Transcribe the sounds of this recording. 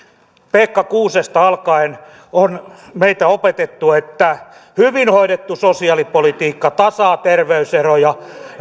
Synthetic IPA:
peːkːɑkuːsest̪ɑɑlkɑen | onmeit̪æopet̪et̪ːuet̪ːæhyʋinhoiɾet̪ːusosiɑlipolit̪iːkːɑt̪ɑsɑːt̪erʋeyserojɑ

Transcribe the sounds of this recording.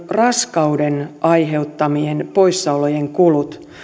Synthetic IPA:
rɑskɑudenʔɑjɦe̞ut̪ːɑmienpo̞isːɑulojeŋkulut̪

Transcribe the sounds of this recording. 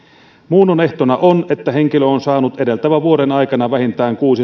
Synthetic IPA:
muːnːone̞ht̪onæʔonet̪ːæheŋkiløonsɑːnut̪edelt̪æʋæʋuoɾenɑikɑnɑʋæhint̪æːŋkuːsi

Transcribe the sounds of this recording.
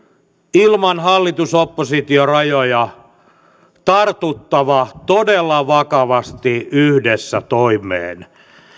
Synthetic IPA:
ilmɑnhɑlːit̪usopːosit̪iorɑjojɑ | t̪ɑrt̪ut̪ːɑʋɑt̪odelːɑʋɑkɑʋɑst̪iyhdesːæt̪oimˑḛːn

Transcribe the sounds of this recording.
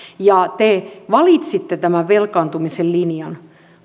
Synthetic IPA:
jɑt̪eʋɑlit̪sit̪ːet̪æmæʋʋelkɑːnt̪umisellinjɑn

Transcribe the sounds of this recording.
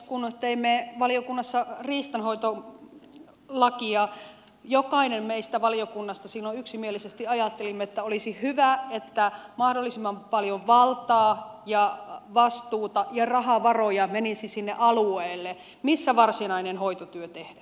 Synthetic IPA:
kunt̪eimːeʋɑliokunːɑsːɑriːst̪ɑnhoit̪o | lɑkiɑ | jokɑinemmeist̪æʋɑlijokunːɑst̪ɑsilːoyksimielisest̪iɑjɑt̪ːelimːeet̪ːæolisihyʋæet̪ːæmɑhdolːisimːɑmpɑljoʋʋɑlt̪ɑːjɑʋɑst̪uːt̪ɑjɑrɑhɑʋɑrojɑmenisisinːeʔɑlueːlːe | misːæʋɑrsinɑinenhoit̪ot̪yøt̪ehdæ

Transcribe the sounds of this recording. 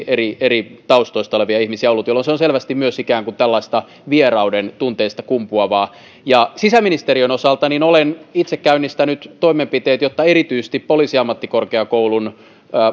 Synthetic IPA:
erierit̪ɑust̪oist̪ɑoleʋiɑihmisiæolːut̪jolːonseonselʋæst̪immyøsikæːŋkunt̪ælːɑist̪ɑ | ʋierɑudent̪unt̪eist̪ɑkumpuɑʋɑː | jɑsisæminist̪eɾiønosɑlt̪ɑninolenit̪sekkːæynːist̪ænyt̪t̪oimempit̪eːt̪jot̪ːɑeɾit̪yːse̥st̪ippoliːsiɑmːɑt̪ːikorkeɑkoulunː

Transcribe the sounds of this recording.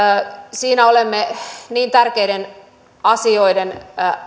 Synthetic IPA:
siːnæolemːeniːnt̪ærkejden | ɑsio̞iden

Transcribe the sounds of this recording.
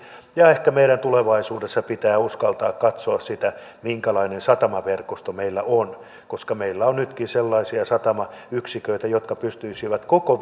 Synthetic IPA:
jɑːehkæmeiɾænt̪uleʋɑisuːdesːɑpit̪æːuskɑlt̪ɑːkkɑt̪soɑssit̪æ | miŋkælɑinensɑt̪ɑmɑʋerkost̪omeilːæʔon | koskɑmeilːæonnyt̪kinselːɑisiɑsɑt̪ɑmɑyksikøit̪æjot̪kɑpyst̪yisiʋæt̪koko

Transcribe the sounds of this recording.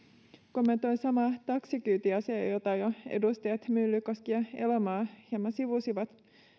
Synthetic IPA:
komːent̪ojsɑmɑt̪ɑksikyːt̪iɑsejot̪ɑjoḛdust̪ɑjɑt̪mylːykoskiɑelomɑːhiɑmɑsiʋusiʋɑt̪

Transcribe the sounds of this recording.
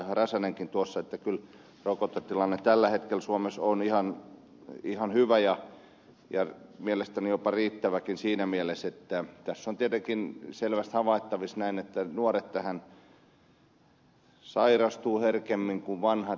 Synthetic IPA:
rɑsæneŋkint̪uosːɑet̪ːækyl | rokot̪ːot̪ilɑnːet̪ælːæhet̪kelsuomesonihɑn | ihɑnhyʋæjɑ | jɑmielest̪ænijopɑriːt̪ːæʋækinsiːnæmieleset̪ːæt̪æsːont̪iet̪eŋkinselʋæst̪hɑʋɑˑit̪ːɑʋisnæinet̪ːænuoret̪t̪æhæn | sɑirɑst̪uːherkemːiŋkuʋʋɑnhɑ

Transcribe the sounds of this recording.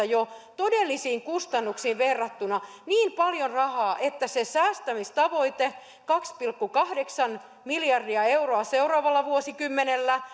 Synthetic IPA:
ɑjot̪odelːisiːŋkust̪ɑnːuksiːʋʋerːɑt̪ːunɑ | niːmpɑljonrɑhɑːʔet̪ːæsesæːst̪æmist̪ɑʋoit̪e | kɑkspilkːukɑhdeksɑn | miljɑrdiɑeuroɑseurɑːʋɑlːɑʋuosikymːenelːæ

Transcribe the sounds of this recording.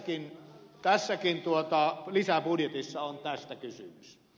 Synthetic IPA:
kint̪æsːækint̪uot̪ɑlisæpudjet̪isːɑont̪æst̪ækysy̰mys

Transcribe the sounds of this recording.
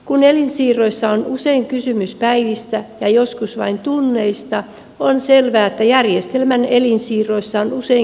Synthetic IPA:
kunelinsiːrˑoisːɑonuseiŋkysymyspæiʋist̪æjɑjoskusʋɑint̪unːeist̪ɑ | onselʋæːet̪ːæjærjest̪elmænelinsiːrˑoisːɑonusei

